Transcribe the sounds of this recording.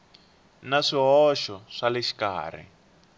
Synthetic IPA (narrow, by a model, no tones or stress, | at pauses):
naʂiɦɔʃɔʂalɛʃi̥ka̰ːr̤ɛ̰